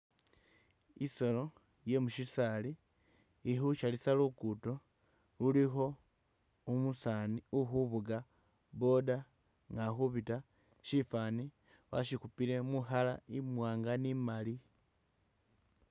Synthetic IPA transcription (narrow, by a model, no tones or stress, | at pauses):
iso̞lo̞ | je̞muʃisaliː | xuʃalisalukuto̞ | lulixo̞ | umusaniuxuβuɡa | βo̞da | ŋɡaxuβita | ʃifani | wa̰ʃikupiɾe̞muxalaimwaːŋɡanimali